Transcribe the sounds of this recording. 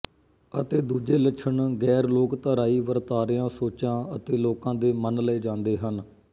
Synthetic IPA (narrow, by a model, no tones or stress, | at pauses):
ət̪eːd̪uːd͡ʒeːlət͡ʃʰəɳɡɛːɾloːkt̪əːɾaːiːʋəɾt̪aːɾɪjãːsoːt͡ʃãːət̪eːloːkãːd̪eːmənlɛːd͡ʒãːnd̪eːɦən